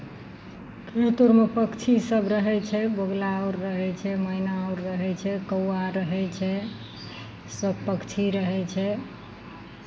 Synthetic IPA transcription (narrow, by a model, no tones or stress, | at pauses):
kɾet̪uɾmepəkt͡ʃʰisəbʱɾəɦɛt͡ʃʰɛboɡlaɔɾːəɦɛt͡ʃʰɛməinaəʊɾːəɦɛt͡ʃʰɛkəwaɾəɦɛt͡ʃʰɛ | səb̚ʱpəkt͡ʃʰiɾəɦɛt͡ʃʰɛ